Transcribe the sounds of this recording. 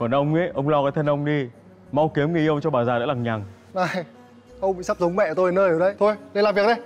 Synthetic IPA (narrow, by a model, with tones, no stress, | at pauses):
kɔ˨˩nʔə˧wŋ͡mi˨˦ʔə˧wŋ͡mlɔ˧kaː˨˦jt̪ʰə˧nʔə˧wŋ͡mɗi˧ | ma˧wki˨˦əmŋi˨˩˧ə˧wŋ͡mt͡ɕɔ˧ɓaː˨˩zaː˨˩lə̰˧˥laː˨˩ɲa˨˩ŋ | ʔaː˨˧˩j | ʔə˧wŋ͡mɓḭ˧˨sa˦˥p̚zə˨˦wŋ͡mmɛ̰˧˨t̪o˧jnəː˧jəː˨˩ɗə˨˧jt̪ʰo˧jɗə˧laː˨˩mvi˨˩ək̚ɗə˨˧j